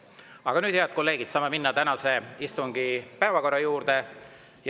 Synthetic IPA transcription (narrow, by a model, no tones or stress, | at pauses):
ɑɡ̥ɑnyːd̪̥heɑd̪̚ko̞lːe̞ːɡ̥id̪̥sɑːmeminːɑt̪ænɑse̞ist̪uŋɡ̥ipæevɑko̞rːɑjuːɾd̪e̞ | j